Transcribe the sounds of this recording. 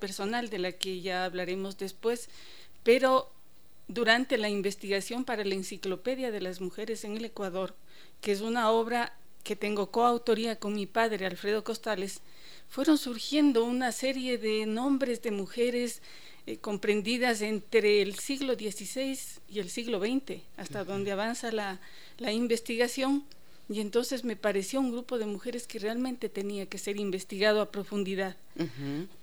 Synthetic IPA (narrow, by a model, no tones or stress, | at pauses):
pe̞ɾso̞nald̪e̞lakeʝaːβlaɾe̞mo̞zðe̞spwe̞s | pe̞ɾo̞ | ðuɾant̪e̞laimbe̞st̪iɣasjo̞mpaɾalaensiklo̞pe̞ðjaðe̞lazmuxe̞ɾe̞se̞ŋe̞le̞kwaðo̞ɾ | kees̬unao̞βɾa | ke̞t̪e̞ŋɡo̞ko̞awt̪o̞ɾiako̞ŋmipaðɾe̞alfɾe̞ðo̞ko̞st̪ale̞s | fwe̞ɾo̞nsuɾxje̞nd̪o̞unase̞ɾje̞ðe̞nõ̞mbɾe̞zðe̞muxe̞ɾe̞s | ko̞mpɾe̞nd̪iðase̞nt̪ɾe̞ːlsiɣlo̞ðje̞sisejs | ie̞lsiɣlo̞βe̞jnt̪e̞ | ast̪aðo̞nd̪eaβ̞ansala | laimbe̞st̪iɣasjo̞n | ie̞nt̪o̞nse̞zme̞paɾe̞sjo̞uŋɡɾupo̞ðe̞muxe̞ɾeske̞re̞almẽ̞nt̪e̞t̪e̞niake̞se̞ɾimbe̞st̪iɣað̞oapɾo̞fund̪iðað